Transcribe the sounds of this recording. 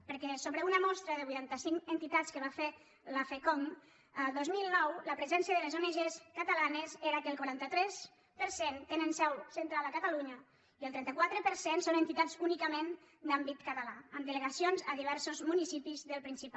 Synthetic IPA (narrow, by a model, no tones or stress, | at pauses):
pəɾkɛsoβɾəunəmɔst̪ɾəðəβujt̪ant̪əsiŋkənt̪it̪at͡skəβ̞afe | ləfekoŋ | əd̪ozmilˠnɔwləpɾəzɛnsiəðəlezoneʒeskət̪əlanəzeɾəkəlˠkwaɾant̪ət̪ɾɛs | pəɾsent̪enənsɛwsənt̪ɾalˠəkət̪əluɲə | iəlˠt̪ɾɛnt̪əkwat̪ɾəpəɾsensonent̪it̪azunikəmẽn | d̪ambit̪kət̪əlaəmd̪ələɣasionzəðiβ̞ɛɾsozmunisipizðəlˠpɾinsip